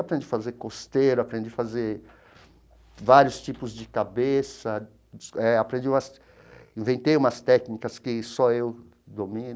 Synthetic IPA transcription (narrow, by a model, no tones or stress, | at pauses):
apɾẽnd͡ʒifazeɾkost̪eɾʊapɾẽd͡ʒifazeɾ | vaɾjʊst͡ʃipʊzd͡ʒɪkabesɐ | ɛapɾẽnd͡ʒiũmɐs | ĩvẽnt̪ejũmɐst̪ɛknikɐskɪsɔew | d̪omĩn